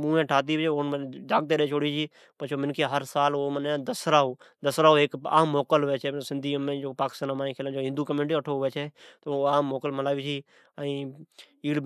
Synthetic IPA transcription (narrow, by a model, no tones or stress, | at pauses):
mũːẽːʈʰaːt̪̬iːt͡ʃeonmːd͡ʒaːɡ̚t̪eːɾet͡ʃʰoːɽid͡ʒʰiː | pət͡ʃʰoːmɪnkeɦəɾsaːloməned̪əsɾaːod̪əsɾaːoeːka̰ːmːoːkəlɦʊʋeːt͡ʃʰeːsɪ̃nd̪ʱiːmẽːd͡ʒopaːkɪ̥st̪aːnãmaːĩːkʰeːlːd͡ʒoɦɪ̃nd̪uːkəmẽnʈiəʈʰoɦʊʋeːt͡ʃʰeːt̪oaːmːoːkəlməlaːʋit͡ʃʰiː | ĩːiːɽ